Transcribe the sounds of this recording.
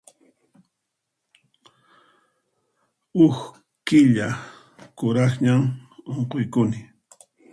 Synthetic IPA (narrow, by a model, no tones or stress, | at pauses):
ʊx | kɪʎa | kʊɾɑχɲamoɴqojkʊnɪ